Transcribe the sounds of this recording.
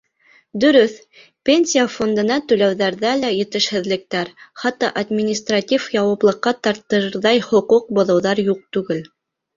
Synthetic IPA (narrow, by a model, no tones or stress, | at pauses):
d̪ɵ̆ɾɵθ | pʲenʲsʲijafo̞nd̪ɤ̆nɑt̪ɵ̆læwðæɾðælæjɘ̆t̪ɘ̆ʃhɘ̆ðlɘ̆k̚t̪æɾχɑt̪ːɑʔad̪mʲinʲist̪ratʲifjɑwɑplˠɤ̆qːɑt̪ɑɾt̪ːɤɾɾðɑjhŏquq̚bŏðɤ̆wðɑɾjuq̚t̪ʉɡɘl